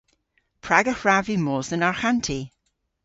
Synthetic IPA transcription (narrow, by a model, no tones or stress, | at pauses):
pʰɹaɡəhɹavimoːzənaɹxantʰi